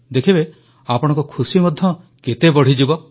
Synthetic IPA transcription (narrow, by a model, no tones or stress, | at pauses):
d̪ekʰibe | apɔɽ̃ɔ̃ŋkɔkʰusimɔd̪ʱjɔ | ket̪ebɔɽ̤id͡ʒibɔ